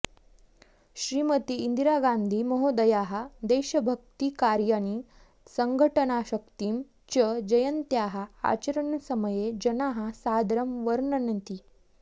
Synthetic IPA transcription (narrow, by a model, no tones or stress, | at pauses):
ɕɾiːmət̪iːnd̪iɾaɡand̪ʱiːməɦod̪əjaɦad̪eɕəbʱəkt̪ikaɾjani | səŋɡʱəʈənaɕəkt̪im | t͡ɕəd͡ʑəjənt̪jaɦaa̰t͡ɕəɾəɳsəməjed͡ʑənaɦasad̪ɾəmʋəɾɳənənt̪i